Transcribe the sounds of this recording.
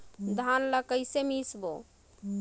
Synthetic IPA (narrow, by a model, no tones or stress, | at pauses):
d̪ʱanləkəjsemisbo